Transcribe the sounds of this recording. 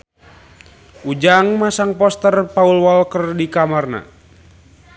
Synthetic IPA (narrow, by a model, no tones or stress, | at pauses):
ud͡ʒaŋmasaŋpɔst̪ərpaulwɔlkərdikamarna̰